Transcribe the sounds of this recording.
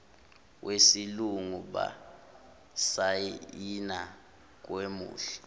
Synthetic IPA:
wʔesiluŋuɓa̰ | saina | k̬wemṵːɬɛ̥

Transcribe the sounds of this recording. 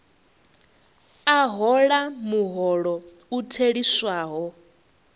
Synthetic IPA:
aɦɔɺamuɦɔɺɔ | utʰeɺiswaːɦɔ

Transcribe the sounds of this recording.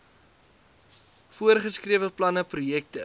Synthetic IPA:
fuərχəskriəvəplɐnəprujɛk̚tə

